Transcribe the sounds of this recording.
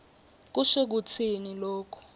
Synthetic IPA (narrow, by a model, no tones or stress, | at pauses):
k̬uʃik̬ut͡sʰinilɔːkʰɔ̥